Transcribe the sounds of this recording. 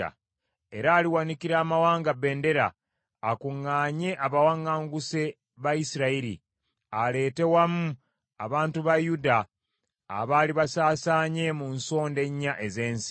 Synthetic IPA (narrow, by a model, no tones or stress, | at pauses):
a̰ | e̞ɾaːliwanikiɾaːmawaːŋɡabe̞ːnde̞ɾaː | kuŋːaːɲe̞ʔaβawaŋːaːŋɡuse̞ | βajisiɾaiɾḭ | ale̞ːte̞wamu | aβaːntuβajuda̰ː | βaːliβasaːsaːɲe̞munso̞ːnde̞ɲːaʔe̞ze̞ːnsi̥